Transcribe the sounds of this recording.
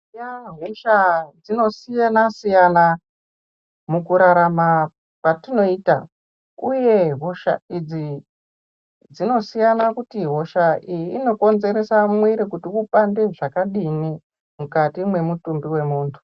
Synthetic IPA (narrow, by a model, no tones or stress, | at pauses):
jaɦoʃad͡zino̞sijanasijana | mukuɾaɾama | patino̞iːta | uje̞ɦoʃa̰id͡zi | d͡zino̞sijanakutiɦo̞ʃaiiːno̞ko̞nze̞ɾe̞samwiɾikutiupandeʐakaɗini | mukatimwe̞mutumbiwe̞muːntʰu̥